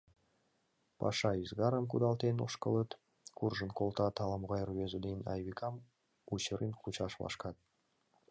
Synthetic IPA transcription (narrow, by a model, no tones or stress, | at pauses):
pɑ̰ʃɑizɡɑɾəmk̬ud̪ɑlˠt̪eno̰ʃkɤlˠət̪ | kurʒə̆nkolˠt̪ɑt̪ɑlˠɑmʁɑjrβezud̪enʲɑ̰jβikʰɑm | ut͡ɕəɾinqut͡ɕɑʃlɑ̰ʃkɑt̪̚